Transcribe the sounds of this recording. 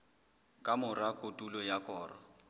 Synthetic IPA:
kʼamʊrakʼotʼulɔjakʼɔːrɔ

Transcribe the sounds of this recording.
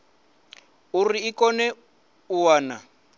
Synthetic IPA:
uriːkɔnɛ | uwaːna

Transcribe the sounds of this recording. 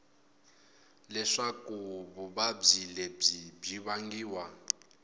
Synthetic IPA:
lɛʂakuβuβab͡ʐilɛb͡ʐibiβaŋɡiːwa

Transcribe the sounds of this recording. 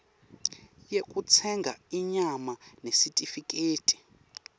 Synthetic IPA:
jekʼut͡sʰɛŋɡʱa̰iɲamanesitʼifikʼeːtʼi̥

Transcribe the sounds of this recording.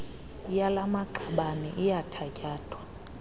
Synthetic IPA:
jalamaǃaɓanḭʔijatʰacʼaːtʰʼwa

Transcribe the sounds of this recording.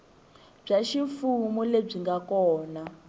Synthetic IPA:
b͡ʐaʃiɱfumuleb͡ʐiŋɡakɔːna

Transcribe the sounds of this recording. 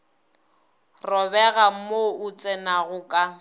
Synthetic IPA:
rɔbɛɣam̩moʊt͡sʼɛnaɣʊkʼa

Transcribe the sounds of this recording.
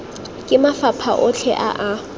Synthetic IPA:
kʼɪmafapʰa̰ʔʊt͡ɬʰɛʔa̰ʔa

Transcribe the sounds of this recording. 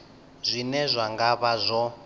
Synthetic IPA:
zʷinɛzʷaŋɡaβazʷɔ

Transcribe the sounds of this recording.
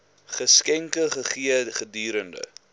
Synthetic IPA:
χəskɛŋkəχəχiəχədyːɾəndə̰

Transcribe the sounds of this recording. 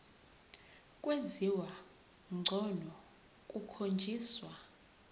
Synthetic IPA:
kʼweziwa | ŋ͡ǀʱɔnɔ | kʼukʰond͡ʒʱiːswa

